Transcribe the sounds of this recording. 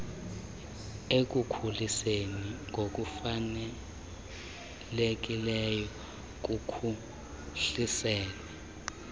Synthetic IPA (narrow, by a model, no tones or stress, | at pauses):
ek̬ʼukʰuliseniŋɡʱok̬ʼufanɛ | lek̬ʼilɛjɔ | k̬ukʰu | ɬisɛːlɛ